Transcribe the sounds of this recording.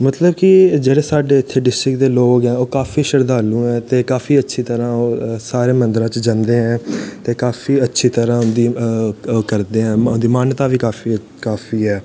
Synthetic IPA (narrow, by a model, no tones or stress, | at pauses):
mət̪ləbkid͡ʒeːɽeːsaːɖeːɪt̪ʰːeːɖɪsʈɾɪkd̪eːloːkɡɛ̃ːoːkaːfiːʃəɾd̪aːlũːɛ̃ːt̪eːkaːfiːətːʃʰiːt̪əɾãːoːsaːɾeːmənd̪ɾãːt͡ʃd͡ʒãnd̪eːɛ̃ːt̪eːkaːfʰiːətːʃʰiːt̪əɾãːʊnd̪iː | kəɾd̪eːɦɛ̃ːʊnd̪iːmaːnt̪aːʋiːkaːfiː | kaːfiːɦɛː